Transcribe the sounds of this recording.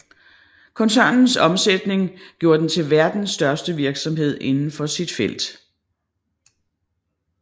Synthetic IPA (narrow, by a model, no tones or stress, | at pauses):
kʰɒ̽nsæɐnn̩sɒ̽msed̥ne̝ŋɡ̥jo̝ːɐd̥ent͡sʰe̝lʋæɐd̥n̩sːd̥ɶɐsd̥əʋiɐɡ̥sɒ̽mɦe̝ð̞̰ˠe̝nn̩fɒ̽sid̥fel̰d̥